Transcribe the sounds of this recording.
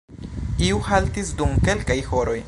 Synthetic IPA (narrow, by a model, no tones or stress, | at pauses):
iuhaltisdumke̞lkajho̞ɾo̞j